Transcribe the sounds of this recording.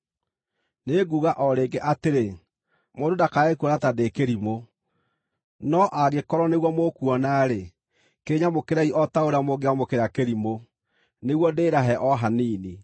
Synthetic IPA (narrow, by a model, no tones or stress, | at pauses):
neɡuːɣaʔɔɾeːɡeʔateɾe | mododakaekuɔnatadekeɾimo | nɔʔaɣekɔɾɔneɣwɔmokuɔnaɾe | keɾeɲamokeɾaiʔɔtaoɾamoɡeamokeɾakeɾimo | neɣwɔdeːɾaɦɛʔɔɦaniːni